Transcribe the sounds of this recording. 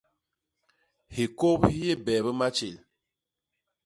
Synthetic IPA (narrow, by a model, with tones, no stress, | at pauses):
hi˨ko˦phi˦je˦bɛː˨bə˦ma˦t͡ʃe˨l